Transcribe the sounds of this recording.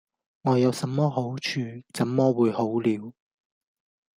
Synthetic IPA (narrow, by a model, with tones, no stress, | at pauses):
ŋɔː˨˧jɐ˨˧wsɐ˨˥mːɔː˥ɦo˨˥wt͡ʃʰyː˧t͡sɐ˨˥mːɔː˥wuː˨˧jho˨˥wliː˨˧w